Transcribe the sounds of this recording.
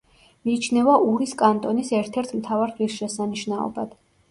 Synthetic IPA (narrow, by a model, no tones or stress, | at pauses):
miːt͡ʃʰnɛvaʔuɾiskʼant̪ʼɔnisɛɾt̪ʰɛɾt̪ʰmt̪ʰavaɾʁisʃɛsaniʃnaɔ̰ba̰d̪̥